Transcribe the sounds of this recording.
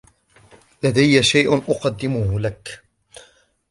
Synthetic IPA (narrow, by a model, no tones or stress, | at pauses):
lad̪ajːaʃajʔʔʊqɑd̪ːɪmʊhlak